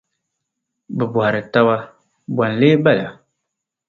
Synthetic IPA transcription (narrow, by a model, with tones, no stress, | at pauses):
bɨ˨bu˨ha˨ɾɨ˨ta˦ba˦ | bwa˨n˨le˦ba˦˨la˨